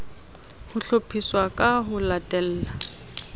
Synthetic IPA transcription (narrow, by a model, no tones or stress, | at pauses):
hʊɬopʰiswakʼaɦʊlatʼɛl̩ːla